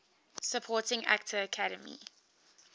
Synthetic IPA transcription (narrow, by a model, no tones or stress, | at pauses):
səpʰɔːˑtɪ̃ŋa̰k̚tʰəːkʰaɾə̰mḭ